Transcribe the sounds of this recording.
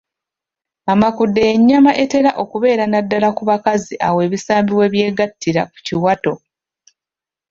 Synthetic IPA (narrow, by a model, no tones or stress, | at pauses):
amakudːeːɲːamaʔe̞te̞ɾaʔo̞kuβe̞ːɾanadːalakuβakaziʔawe̞ːβisaːmbiwe̞βje̞ːɡatːiɾaku̥ciwato̞